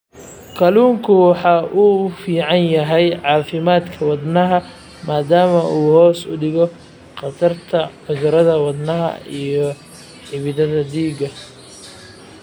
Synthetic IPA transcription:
kʰɐluːŋkʰʊwɑħɑːʔuːfiːʕɑnjɐɦɛjʕɑːfɪmaːd̪kʰɐwɑd̪nɐɦɐ | maːd̪aːmɐʔuːhɔːsʊɖɪɣɔ | qɑt̪ɐrt̪ʰɐħʊðɐɾɐðɐwɑd̪nɐɦɐ̰ijɞ | ħɪβɪðɐðɐd̪iːɡɐ

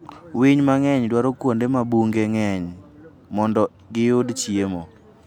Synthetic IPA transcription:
wiɲmaŋɛɲdwaɾɔkwondemabuŋɡeŋɛɲ | mɔndɔ | ɡɪjʊdt͡ʃjemo

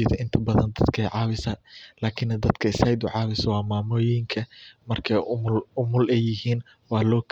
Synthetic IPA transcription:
iːt̪ʰɐʔɪnt̪ʰɐbɐðɐnd̪ɐd̪̥kʰɛjʕɑːβɪsɐlaːkʰɪnːɐd̪ɐd̪kʰɐɪsɐjd̪ʊʕɑːβɪsɐwɑːmaːmɔːjɪŋkʰɐmɐrkʰɐʊmʊlʊmʊlɛjːɪɦiːn | wɑːlɔːkʰ

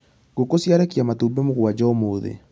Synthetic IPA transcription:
ɡ̥okosjaɾekjamatubɛmoɣwad͡ʒɔmoːðḛ

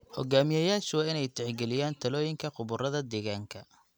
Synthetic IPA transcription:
hɔ̰ɡaːmɪjɐjaːʃwɑːɪnɛjt̪ʰɛʕɡɛlɪjaːnt̪ʰɐlɔːjɪŋkʰɐqʊβʊrɐðɐd̪ɛːɣaːŋkʰɐ

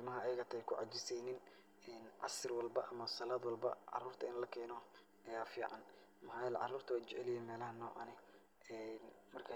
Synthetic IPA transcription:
ɪmɐɦɐːjɐɣɐt̪ʰɐkʰʊʕɑ̰t͡ʃɪsɛjnɪn | ɛːnʕɑ̰sɪrwɑlbɐʔɐmɐsɐlaːd̪wɑlbɐ̰ʕɑ̰ruːrt̪ʰɐɪnlɐkʰɛːnɔ | ʔɛjaːfiːʕɑn | mɐɦaːjlʕɑ̰ruːrt̪ʰɐwaːt͡ʃɛʕɛlɪjɛːnmɛːlɐɦɐnɔːʕɑnɛ | ɛnmɐrkʰa

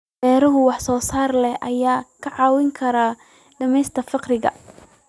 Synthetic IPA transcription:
bɛːɾɐɦʊwɑħsɔːsaːrlɛhʔɐjaːkʰɐʕɑːwɪŋkʰɐɾaː | ɖɐmɛjst̪ʰɐfɪqrɪɣɐ̰

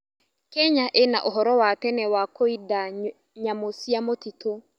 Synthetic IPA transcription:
kɛɲaʔena̰ʔoɦɔɾɔwatɛnɛwakoida | ɲamosiamotito

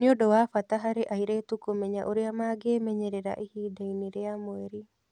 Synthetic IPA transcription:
niodɔwafataɦaɾeʔaiɾetukomɛɲaʔoɾeamaːɡemɛɲɛɾeɾa̰ʔihiːdainiɾeamoɛɾi

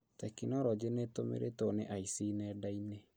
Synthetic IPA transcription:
tɛkinɔɾɔd͡ʒenetomḛɾetoneʔaisinɛdaine

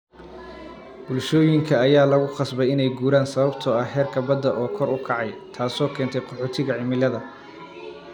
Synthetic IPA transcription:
b̥ʊlʃɔːjɪŋkʰɐːjaːlɐɣʊqɑsbɛjɪnɛjɡuːɾaːnsɐβɐbt̪ʰɔːɐɦɛːrkʰɐbɐd̪ːɐʔɔːkʰɔɾʊkʰɑʕɑjt̪ʰaːsɔːkʰɛːnt̪ʰɛjqʰɔħoːt̪ʰɪɣɐʕɪmɪlɐðɐ

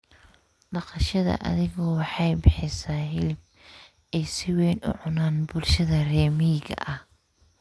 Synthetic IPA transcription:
ɖɑqɑʃɐðɐ̰ʔɐ̰ðɪɣɔːwɑħɑjbɪħɪsaːhɪlb̚ | ɛjsɪwɛːnʊ̰ʕʊnaːnbʊlʃɐðɐrɛːmiːɣɐ̰ʔɐh

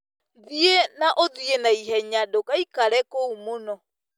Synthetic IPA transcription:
ðienaʔoðienaiɦɛɲadokaikaɾɛkoumonɔ

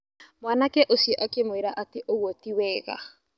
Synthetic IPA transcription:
mwanakɛʔosiɛʔakemweɾaʔateʔoɣwotiwɛːɣa̰

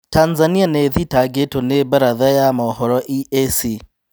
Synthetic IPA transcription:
tanzanianeðitaɡetonebaɾaðajamaːɦɔɾɔʔiʔesi

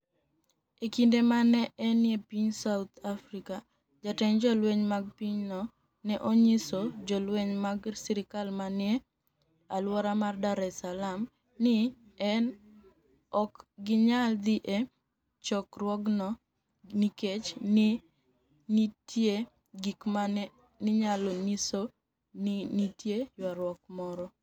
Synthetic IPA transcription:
ekindemanɛʔɛnjepiɲsawt̪ʰafɾika | d͡ʒatɛɲd͡ʒɔlweɲmaɡ̚piɲnɔ | nɛʔoɲisod͡ʒɔlweɲmaɡsiɾɪkalmanɪe | alwɔɾamardaɾɛsalam | nɪɛn | ɔkɡɪɲald̪iʔe | t͡ʃɔkrwɔɡnɔ | niket͡ʃnɪ | itje | ɡikmanɛ | nɪɲaloniso | nitjejwaɾwɔk̚mɔɾɔ

